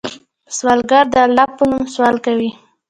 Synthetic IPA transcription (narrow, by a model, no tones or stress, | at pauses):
swɑlɡaɾd̪əalɑpːənumswɑlkawi